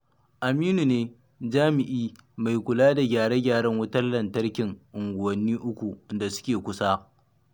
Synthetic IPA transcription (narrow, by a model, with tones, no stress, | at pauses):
ʔa˨miː˦nu˨neː˦ | d͡ʒaː˦mɪ˨ʔiː˦ma˨jkʷʊ˨laː˦da˨ɡʲaː˨ɽe˦ɡʲaː˨ɽɐ˦ŋwʊ˦tɐ˦rlɐ˨ntɐ˦rkʲɪ˨ŋʔʊ˨ŋɡʷʊ˨wɐ˨nːiː˦ʔʊ˦kʷu˨nda˨sʊ̥˦kʲeː˨kʷʊ˦saː˦